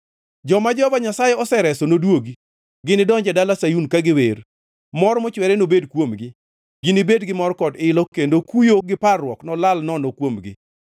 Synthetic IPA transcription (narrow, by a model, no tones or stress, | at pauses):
d͡ʒɔmad͡ʒɔbaɲasajɛɔsɛɾɛsɔnodwoɡi | ɡɪnɪdɔɲd͡ʒɛdalasajunkaɡɪweɾ | mɔɾmɔt͡ʃwɛɾɛnobedkwomɡɪ | ɡ̥ɪnɪbedɡɪmɔɾkɔdɪlɔkendokujoɡɪparwɔknɔlalnɔnɔkwomɡɪ̰